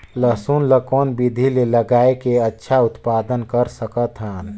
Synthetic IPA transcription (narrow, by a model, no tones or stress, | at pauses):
ləɦsunləkɔːnbid̪ʱileləɡaːekeətːʃʰaʊt̪paːd̪ənkəɾsəkət̪ɦaːn